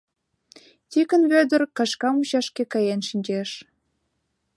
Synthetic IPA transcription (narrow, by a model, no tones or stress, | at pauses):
t̪ikə̆nβød̪ə̆rkɑʃkɑmuɕɑʃkekɑjenʃinʲd͡ʑeʃ